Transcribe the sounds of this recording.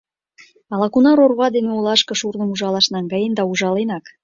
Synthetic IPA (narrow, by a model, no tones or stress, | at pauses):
ɑlɑkunɑɾorβɑd̪eneolˠɑʃkɤ̆ʃurnə̆muʒɑlɑʃnɑŋɡɑjend̪ɑuʒɑlenɑk